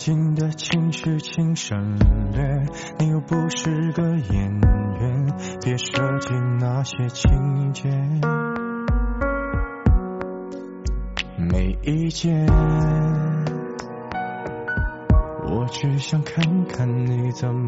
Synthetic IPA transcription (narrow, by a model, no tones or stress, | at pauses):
t͡ɕind̪ət͡ɕʰiŋɕyt͡ɕʰiŋʂənlɛ | nijoʊpuʂɻ̩ɡəjɛnɥɛn | pjɛʂəŋt͡ɕinnaɕjɛt͡ɕʰiŋt͡ɕɛ | meɪit͡ɕjɛ | wɔ̰t͡ɕyɕjɑŋkʰankʰannit͡səm